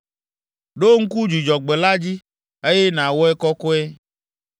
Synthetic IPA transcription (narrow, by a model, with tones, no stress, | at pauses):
ɖo˦ŋ̩˦ku˦d͡ʒi˨d͡ʒɔ˨ɡ͡be˨la˦d͡ʑi˦ | e˦je˦nã˨wo˦ɛ˦kɔ˦kɔ˦ɛ˦